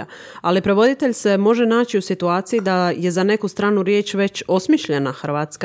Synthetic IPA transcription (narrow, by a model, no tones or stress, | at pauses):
alipɾe̞ʋo̞d̪it̪e̞ʎse̞mo̞ʒe̞naːt͡ɕiusit̪uaːt̪sijid̪aje̞zane̞kust̪ɾaːnuɾjeːt͡ɕʋe̞t͡ɕo̞smiʃʎe̞naxɾ̩ʋaːt̪sk